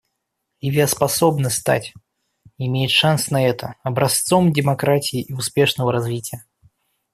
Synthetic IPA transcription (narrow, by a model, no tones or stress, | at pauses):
jɪvʲeɐspɐsobnəst̪a̰tʲ | ɪmʲejɪt̪ʂansnɐɛt̪ʰəɐbɾɐst̪so̞mdʲɪmɐkɾatʲɪjɪʔiʊspʲeʂnəvəɾɐzvʲitʲɪjə